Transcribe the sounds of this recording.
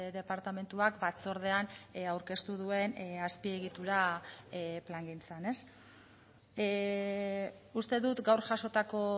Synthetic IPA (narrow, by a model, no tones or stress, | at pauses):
ðe̞paɾt̪ame̞nt̪uakbat͡so̞ɾð̞e̞anawɾke̞st̪uð̞ue̞naspie̞ɣ̞it̪uɾa | plaŋɡint͡sane̞s | ust̪e̞ðut̪ɡawɾʝaʃo̞t̪ako̞